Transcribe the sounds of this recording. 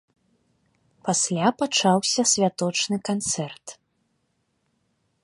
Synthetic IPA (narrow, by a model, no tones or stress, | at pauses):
pasʲlʲapat͡ʂawsʲɐsʲvʲat̪ɔt͡ʂnɨkant̪sɛrt̪